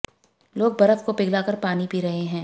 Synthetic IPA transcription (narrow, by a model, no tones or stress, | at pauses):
loːɡ̚bɐɾəfkopɪɡlakɐɾpaːnipiːɾɐɦeɦɛ̃ː